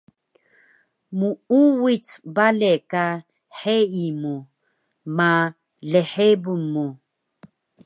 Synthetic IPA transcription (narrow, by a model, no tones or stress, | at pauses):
muuwit͡sbaleka | ħeimu | ma | leħebumːu